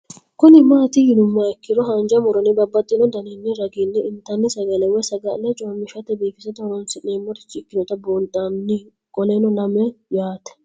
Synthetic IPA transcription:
kʊnɪmaːt̪ɪhɪnʊmːɐɛkːɪɾɔɦɐnd͡ʒɐmɔɾɔnɪbɐbːɐt̪ʼːɪnɔd̪ɐnenːɪɾɐɡiːnːɛɪnt̪ɐnːɪsɐɡɐlɛwɔjsɐɡɐlɛt͡ʃʼoːmːɪʃɐt̪ːɛbeːfɪsɐt̪ɐhɾɔnsɪneːmːɔt̪ɪ̥t͡ʃːɪɪkːɪnɔt̪ɐboːnt̪ʼamnɪ | kʼɔleːnɔlɐmɛjaːt̪ɛ̥

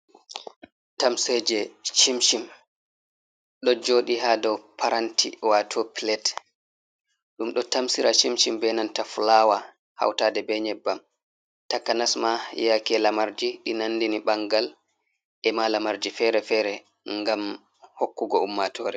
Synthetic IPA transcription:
tamsed͡ʒɛʃimʃim | ɗɔd͡ʒoːɗiɦadɔpʰaɾantʰḭwatʰɔpilɛt | ɗumɗɔtamsiɾaʃimʃimbɛnantafulawa | ha̰wtadɛbɛɲɛbːam | takanasmajakɛlamaɾd͡ʒiɗinandiniɓaŋɡal | ʔɛmalamaɾd͡ʒifɛɾɛfɛːɾɛ | ŋɡam | hokːuɡɔumːatʰɔːɾɛ

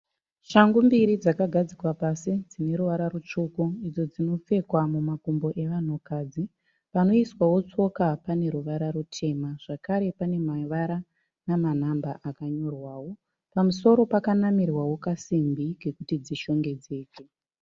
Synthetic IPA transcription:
ʃaŋɡumbiɾid͡zakaɡʱad͡zikwapasid͡zine̞ɾuʋaɾaɾut͡ʂukuid͡zo̞d͡zino̞p͡fe̞kwamumakumbo̞ʔe̞ʋan̤ukaːd͡zi | pano̞iswawo̞t͡so̞kapane̞ɾuʋaɾaɾutʰe̞maʐ̥akaɾe̞pane̞maʋaɾa | naman̤ambaʔakaɲo̞rwaːwo | pamuso̞ɾo̞pakanamirwawo̞kasimbiɡe̞kutid͡ziʃo̞ŋɡe̞d͡ze̞ːt͡ʃe

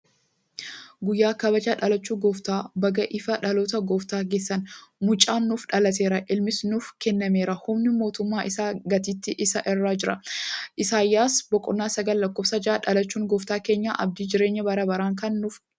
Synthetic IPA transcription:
ɡʊjːaːkɐbɐd͡ʒaːᶑɐlɐt͡ʃːuːɡɔft̪aːbɐɡɐʔɪfɐᶑɐloːt̪ɐɡoːft̪aːɡe̞ːsːɐnmʊt͡ʃʼaːnːʊfᶑɐlɐt̪e̞ːɾɐʔɪlmɪsnʊfkɛnːɐmeːɾɐhʊmnɪmo̞ːt̪ʊmːaːʔɪsaːɡɐt̪iːt̪ːɪʔɪsɐʔɪrːaːd͡ʒɪɾɐʔɪsaːjːaːsbɔkʼɔnːaːsɐɡɐlːɐkːoːbsɐd͡ʒaᶑɐlɐt͡ʃːuːŋɡɔːft̪aːke̞ːɲːa̰ːʔɐ̰b̚d̪iːd͡ʒɪɾe̞ːɲːɐbɐɾɐbɐɾaːŋkɐnːʊf

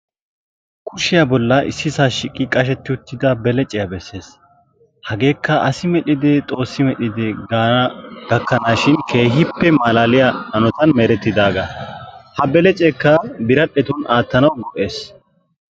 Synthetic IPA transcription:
kʰʊʃɪjɐbɔlːɐʔɪ̰sːɪsaːʃɪkʼːɪkʼɐʃ̬ɛt̪ːɪʊt̪ːɪd̪ɐbɛlɛt͡ʃʼːɪjɐbɛsːe̞ːs | hɐɡe̞ːkːɐʔɐsɪmɛɗɪd̪ɪt̪ʼo̞ːsːɪmɛɗɪd̪ɪ | ɡ̥ɐkːɐnaːʃɪnkʰe̞ːɦɪpːɛmaːlaːlɪjaɐnɔt̪ɐnmeɾɛt̪ːɪd̪aːɡɐhɐbɛlɛt͡ʃʼɛkːɐbɪɾɐɗɛt̪ʊnaːt̪ːɐnɐwɡɔʔe̞ːs

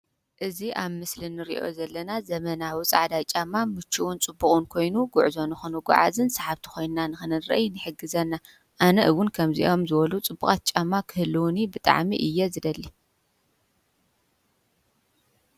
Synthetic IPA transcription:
ʔɨziʔaβmɨslinːɨɾḭʔo̞̰zɐlːɐnazɐmɐnawit͡sʼaʕad̪at͡ʃʼamːamɨt͡ʃːuwunt͡sʼɨbːuχʼɨnkʰo̞jnuɡʊʕzo̞nɨxɨnuɡʷṵʕa̰zɨnsaħaβt̪ʰi̥kʰo̞jnnanɨxɨnɨnɾɐ̰ʔjnɨħɨɡɨzɐnːa | ʔanɐʔɨwʊnkʰɐmzḭʔo̞mzɨβɐlut͡sʼɨbːukʼat̪̚t͡ʃʼamːakʰɨhɨlːɨwnibɨt̪ʼa̰ʕmḭʔɨjːɛzɨd̪ɐlːi

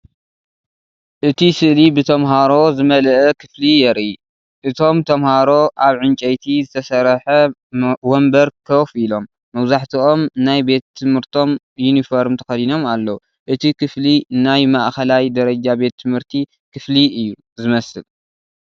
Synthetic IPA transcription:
ʔɨt̪ʰisɨʔlibɨt̪ʰɐmɦaɾo̞zɨmɐlʔɛkʰɨflijɛɾʔi | ʔɨt̪ʰo̞mt̪ʰɐmhaɾo̞ʔaβʕɨnt͡ʃʼɐjt̪ʰizɨt̪ʰɐsɐɾħɐwɔmbɐɾkʰɐfilo̞mːɐβzaħt̪ʰiʔo̞mnajbe̞t̪ʰːɨmhɨɾt̪ʰo̞m | junifoɾmt̪ʰɐxɐlino̞malːɐwu | ʔɨt̪ʰikʰɨflinajmaʔxɐlajd̪ɐɾɐd͡ʒabe̞t̪ʰːɨmhɨɾt̪ʰi | kʰɨfliɨjːu | zɨmɐsɨl

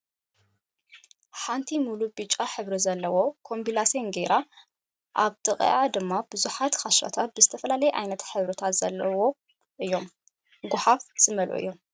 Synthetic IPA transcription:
ħant̪ʰimulubɨt͡ʃʼːaħɨβɾizɐlːɐwo̞kʰo̞mbilasonɡeɾa | ʔaβt̪ɨkʼḭʔad̪ɨmːab̥ɨzuħat̪kʰaʃɾo̰t̪ʰat̪̚bɨzɨt̪ʰɐfɐlalɐjɛʔajnɐt̪ħɨβɾɨt̪ʰat̪z̥ɐlːɐwo̞ | ʔɨjːo̞m | ɡʊħafz̥ɨmɐlʔṵʔɨ̰jːo̞m

